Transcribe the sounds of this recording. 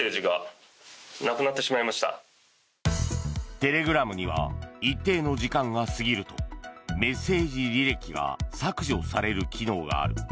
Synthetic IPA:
eːʑiɡa | nakɯ̟nat̪ːe̞ɕimaimaɕi̥t̪a̰ | t̪e̞ɾe̞ɡɯ̟ɾamɯ̟ɲ̟iβa̰it̪ːe̞ːno̞ʑikãŋɡasɨɡʲiɾɯ̟t̪o̞me̞se̞ːʑiɾʲiɾe̞kʲiɡa̰sakɯ̟ʑo̞saɾe̞ɾɯ̟kʲino̞ːɡa̰ːɾɯ̟

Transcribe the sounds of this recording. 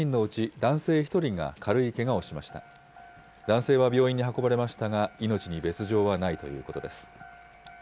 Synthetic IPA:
ĩnːo̞ɯ̟t͡ɕid̪ãɰ̃se̞ːçi̥t̪o̞ɾʲiŋa̰kʰaɾɯ̟ike̞ɡao̞ɕimaɕi̥t̪a̰ | d̪ãɰ̃se̞ːβabʲjo̞ːĩɲ̟ːiɦako̞baɾe̞maɕi̥t̪aŋaino̞t͡ɕiɲ̟ibe̞t͡sɨʑo̞ːβanait̪o̞jɯ̟̰ːko̞t̪o̞d̪e̞sɨ̥

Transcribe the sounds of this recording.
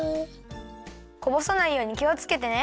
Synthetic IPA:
ko̞bo̞sanaijo̞ːɲ̟ikʲio̞t͡sɨ̥ke̞t̪e̞ne

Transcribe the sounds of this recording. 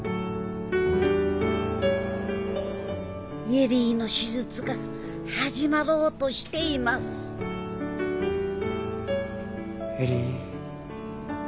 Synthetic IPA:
jeɾiːno̞ɕizɨt͡sɨɡa | haʑimaɾo̞ːt̪o̞ɕi̥t̪e̞imasɨ̥ | heɾi

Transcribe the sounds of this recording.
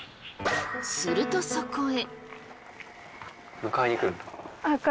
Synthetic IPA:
sɨɾɯ̟t̪osokoe | mɯ̟kaiɲikɯnd̪o̥aka

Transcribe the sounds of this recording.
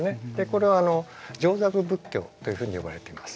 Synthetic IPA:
ne̞d̪̥e̞ko̞ɾe̞βaːno̞ | d͡ʑo̞ːzakɯ̟bɯ̟kʲːo̞̰ːt̪o̞jɯ̟ɸɯ̟ːɲ̟ijo̞ba̰ɾe̞t̪e̞imasɨ̥

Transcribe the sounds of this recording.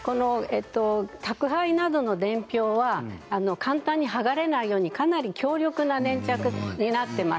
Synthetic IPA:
ko̞no̞et̪ːo̞t̪akɯ̟ɦainad̪o̞no̞d̪ẽ̞mpʲo̞ːβaːnokãnt̪ãɲ̟ːiɦaɡaɾe̞naijo̞ːɲ̟ikanaɾʲikʲo̞ːɾʲo̞kɯ̟nanẽ̞ɲt͡ɕakɯ̟ɲ̟inat̪ːe̞ma

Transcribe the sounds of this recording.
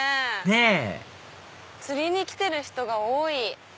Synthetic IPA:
ene | t͡sɨɾʲiɲ̟ikʲi̥t̪e̞ɾɯ̟çi̥t̪o̞ɡaoːi

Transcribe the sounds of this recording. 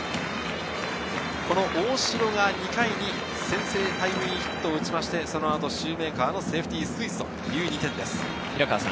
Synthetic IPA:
ko̞no̞ʔoːɕiɾo̞ŋaɲ̟ikaiɲ̟i | sẽ̞ɰ̃se̞ːt̪aibɯ̟ɲʲiçi̥t̪ːoːɯ̟t͡ɕimaɕi̥t̪e̞so̞no̞at̪o̞ɕɨːme̞ːkaːno̞se̞ːɸɯ̟t̪ʲiːsɨ̥ɯit̪o̰ | jɯ̟ːɲʲit̪ẽ̞nd̪e̞sɨ̥ | çiɾaka̰ːsã̰

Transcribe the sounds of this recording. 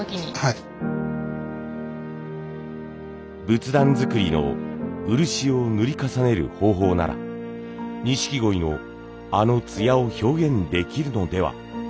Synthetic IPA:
kʲiɲi | bɯ̟t͡sɨd̪ãnd͡zɨkɯ̟ɾʲino̞̰ɯ̟ɾɯ̟ɕio̞nɯɾʲikasane̞ɾɯ̟̰ho̞ːɦo̞ːna̰ɾa̰ | ɲ̟iɕi̥kʲiɡo̞ino̞ | ano̞t͡sɨjaoço̞ːɡẽ̞nd̪e̞kʲiɾɯ̟no̞d̪e̞βa̰

